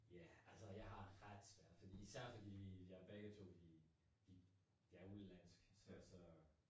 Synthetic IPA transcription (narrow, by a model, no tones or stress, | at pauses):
jæælsəjɑ̈ɪɦɑ̈ʁad̥sʋæɐ̰d̥fɒd̥ḭːisæɐ̰fɒd̥ḭidiæb̥eɡ̥ət͡sʰo̝̰d̥i | d̥i | d̥iæɐulæn̰sɡ̥sɒsɒ